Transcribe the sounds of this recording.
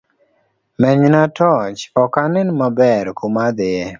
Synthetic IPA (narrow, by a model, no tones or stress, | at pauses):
mɛɲnatɔt͡ʃɔkanɪnmabɛɾkomad̪ɪje